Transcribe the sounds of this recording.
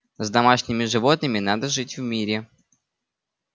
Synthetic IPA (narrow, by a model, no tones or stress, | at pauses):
zd̪ɐmaʂnʲɪmʲɪʐɨvo̞t̪̚nɨmʲɪnad̪əʐɨtʲvmʲiɾʲɪ